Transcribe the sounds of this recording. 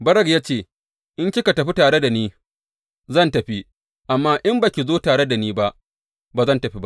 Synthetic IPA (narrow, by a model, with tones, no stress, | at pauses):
bɐ˦ɾɐ˨ɡjaː˦t͡ʃeː˦˨ | ʔɪ˦nt͡ʃɪ˦ka˨tɐ˨ɸi˦taː˨ɽe˦da˨niː˦ | zɐ˦˨ntɐ˨ɸi˦ | ʔa˨mːaː˦ʔɪ˦mba˨kʲi˨zoː˦taː˨ɽe˦da˨niː˦ba˦ʔ | baː˨zɐ˦˨ntɐ˨ɸi˦ba˦ʔ